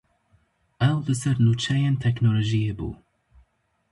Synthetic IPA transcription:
ʔɛwlɨsɛɾnuːt͡ʃʰɛjent̪ʰɛknoloʒijebṵː

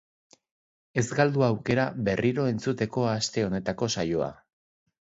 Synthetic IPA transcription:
e̞zɡald̪uawke̞ɾaβe̞rʔiɾo̞e̞nt͡sut̪e̞ko̞ast̪e̞o̞ne̞t̪ako̞sajo̞a̰

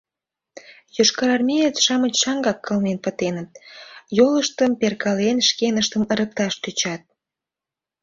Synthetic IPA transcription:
joʃkɑɾɑrmʲejet̪ʃɑmət͡ɕʃɑŋɡɑkːəlnenpət̪enət̪̚joləʃt̪əmperkɑlenʃkenəʃt̪əməɾək̚t̪ɑʃt̪yt͡ɕɑt̪̚

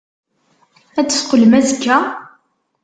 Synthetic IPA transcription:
æt͡sːə̥sqələmæzəkːæ

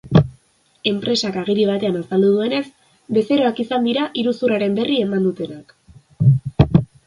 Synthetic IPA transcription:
e̞mpɾe̞sakaɣ̞iɾiβ̞at̪e̞anasald̪uðue̞ne̞s | be̞se̞ɾo̞akisand̪iɾaʔiɾusuraɾe̞mbe̞rie̞mand̪ut̪e̞nak

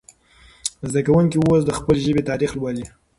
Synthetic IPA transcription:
zd̪akawuŋkiwosd̪əxpəleʒəbet̪ɑɾixlwali

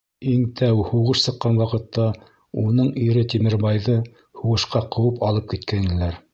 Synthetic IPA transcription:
iŋt̪ʰæwhuʁɤʃsɤ̆qːɑnwɑqɤ̆t̪ːɑ | unɤɴiɾɘt̪imɘ̆ɾbɑjðɤ | huʁɤ̆ʃqɑqɤ̆wɤpɑlˠɤp̚kit̪kænĭlæɾ

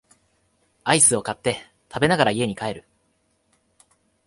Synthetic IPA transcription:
aisɨo̞kat̪ːe̞ | t̪ʰabe̞naɡaɾaie̞ɲ̟ikae̞ɾɯ̟

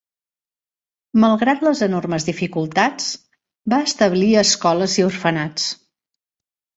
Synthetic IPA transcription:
məlˠɣɾat̪ləzənorməzðifikulˠt̪at͡s | baəst̪əβliəskɔləziurfənat͡s

